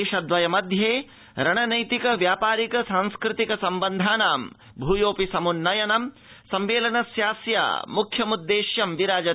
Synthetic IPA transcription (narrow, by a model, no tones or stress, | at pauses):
eʃɐd̪ʋɐjɐmɐd̪ʱjeː | ɾɐɳɐnɐjt̪ikɐʋjaːpaːɾikɐsaːŋskɾɪt̪ikɐsɐmbɐnd̪ʱaːnaːm | bʱuːjoːpisɐmunːɐjɐnɐm | sɐmʋeːlɐnɐsjaːsja̰ːmukʰjɐmud̪ːeːʃjɐmʋiɾaːd͡ʒɐ